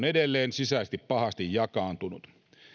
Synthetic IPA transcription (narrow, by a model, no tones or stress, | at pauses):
nedelːeːnsisæˑːst̪ippɑhɑst̪ijjɑkɑːnt̪unut̪